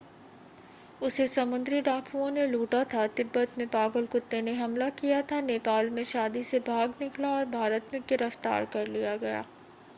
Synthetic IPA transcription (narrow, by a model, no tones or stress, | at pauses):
ʊsesɐmʊ̃nd̪ɾiɖaːkʰuõneluːʈat̪ʰat̪ɪbːət̪mẽpaːɡəlkʊt̪ːeneɦɐmlakijat̪ʰaneːpaːlmẽʃaːd̪isebʱaːɡnɪklaɔːɾbʱaːɾət̪mẽɡɪɾəft̪a̰ːɾkɐɾlijaɡɐja̰ː